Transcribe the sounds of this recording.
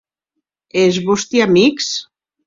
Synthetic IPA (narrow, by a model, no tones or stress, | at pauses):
ezβost̪iamiks